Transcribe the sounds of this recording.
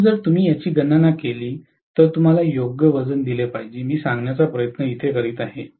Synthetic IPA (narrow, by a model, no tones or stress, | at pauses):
d͡zəɾt̪um̤iːjat͡ɕiːɡənanakeliː | t̪əɾt̪um̤alajoɡjəʋəd͡zənd̪ilepaɦid͡ʑeːmiːsãŋɡnjat͡sapɾəjət̪nəit̪ʰekəɾiːt̪aɦe